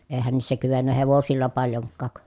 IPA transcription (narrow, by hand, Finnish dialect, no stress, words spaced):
eˑi̯hæn niːsːæ kyʋenːæ heʋosilːɑ pɑljoŋkːɑˑk